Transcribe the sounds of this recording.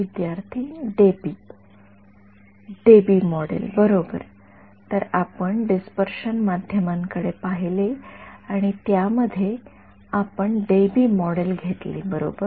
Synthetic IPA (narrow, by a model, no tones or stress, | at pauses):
id̪jaɾt̪ʰiːɖebi | ɖebimɔɽḛlbəɾobə̰ɾ | t̪əɾapəɳɖispəɾʂənmad̪ʱjəmãŋkəɽepaɦileaɽ̃it̪jaməd̪ʱje | apəɳɖebimɔɽelɡʱet̪lḭːbəɾo̰bəɾ